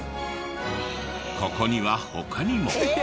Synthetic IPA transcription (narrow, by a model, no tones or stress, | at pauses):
kʰokoɲiwahokʰaɲimo